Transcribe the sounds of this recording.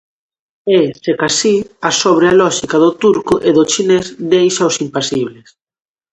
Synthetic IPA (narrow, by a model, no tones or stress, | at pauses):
esekasiasoβ̞ɾealɔʃikaðʊt̪uɾkʊʔeðʊt͡ʃinezd̪ejʃaosimpasiβles